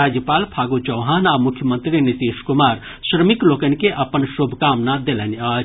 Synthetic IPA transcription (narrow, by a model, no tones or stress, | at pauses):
aːd͡ʒjəpaːlpʰaːɡot͡ʃɐwɦaːnaːmʊkʰjəmə̃nt̪ɾinit̪iːʃkʊmaːɾ | ʃɾəmikloːkənkeʔɐpənʃoːbʱkaːmnad̪elənaː